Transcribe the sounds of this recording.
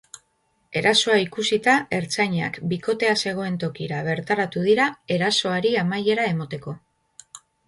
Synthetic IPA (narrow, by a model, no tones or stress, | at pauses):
e̞ɾaso̞aikusit̪ae̞ɾt͡saɲa̰kbiko̞t̪e̞ase̞ɣ̞o̞e̞nt̪o̞kiɾaβ̞e̞ɾt̪aɾat̪uðiɾae̞ɾaso̞aɾiamaje̞ɾae̞mot̪e̞ko̞